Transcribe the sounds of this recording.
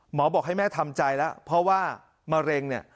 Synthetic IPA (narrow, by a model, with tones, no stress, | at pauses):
mɔː˩˦bɔː˨˩k̚ha˥˩jmɛː˥˩t̪ʰa˧mt͡ɕa˧jlɛ˦˥pʰɾɔ˦˥waː˥˩ | maː˧ɾe˧ŋni˥˩ɐ